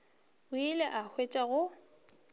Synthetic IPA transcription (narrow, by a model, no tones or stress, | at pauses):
ʊilɛʔahʰwet͡ʃʼaɣʊ